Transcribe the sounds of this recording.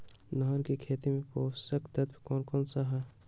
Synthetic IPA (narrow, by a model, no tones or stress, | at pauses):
nɐɦəɾkikʰeːt̪imẽpoːsɐkt̪ɐt̪bkɔːnkɔːnsaɦa